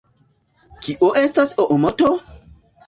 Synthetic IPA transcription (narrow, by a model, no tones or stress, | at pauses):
kiʔoʔestasoʔomoto